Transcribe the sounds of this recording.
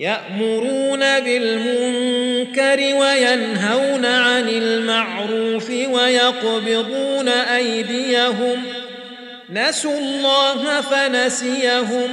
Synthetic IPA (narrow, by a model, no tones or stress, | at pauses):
jaʔmʊɾuːnabɪlmʊŋkaɾɪwajanɦawnaʕanɪlmaʕɾuːfɪwajɑqbɪɣuːnaʔajd̪ɪjaɦʊm | nasuɑlˤːɑːɦafanasɪjaɦʊm